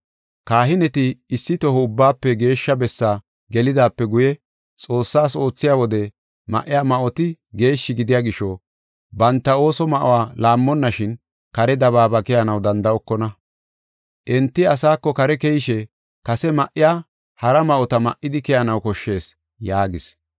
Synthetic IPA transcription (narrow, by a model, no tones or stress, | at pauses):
kaːɦɪnɛt̪ɪːsːɪt̪ɔɦɔʊbːaːpːɛɡe̞ːʃːɐbɛsːaː | ɡɛlɪd̪aːpːɛɡʊjɛ | t͡sʼo̞ːsːaːso̞ːt͡sːɪjaːwɔd̪ɛ | mɐ̰ʔɪjaːmɐʔɔt̪ɪɡe̞ːʃːɪɡɪd̪ɪjaːɡɪʃːɔ | bɐnt̪ːɐo̞ːsɔmɐʔɔ̰waːlaːmːɔnːɐʃɪn | kɐɾɛd̪ɐbaːbɐkɛjɐnɐwd̪ɐnd̪ɐɔkːɔnɐ | ʔɛnt̪ːɪɐsaːkːɔkɐɾɛkɛjɪʃɛ | kɐsɛmɐʔɪjaː | hɐɾɐmɐʔɔt̪ɐmɐ̰ʔɪd̪ɪkɛjɐnɐwkɔʃːe̞ːs | jaːɡɪs